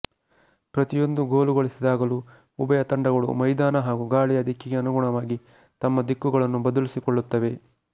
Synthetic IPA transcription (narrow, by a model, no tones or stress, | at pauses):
pɾɐt̪ijo̞nd̪uɡoːluɡoɭisid̪aːɡɐlu | ubɐjɐt̪ɐɳɖɐɡɐɭṵmɐjd̪aːnɐɦaːɡuɡaːɭijɐd̪ʱikːiɡeɐnuɡuɳɐʋaːɡi | t̪ɐmːɐd̪ikːuɡɐɭɐnːubɐd̪ɐlisikɔɭːut̪ːɐʋe̞